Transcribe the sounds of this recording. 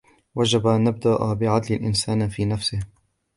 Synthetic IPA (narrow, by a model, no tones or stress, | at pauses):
wad͡ʒabaʔanːab̚d̪aʔabɪʕad̪lɪlʔɪ̰nsaːnfiːnafsɪh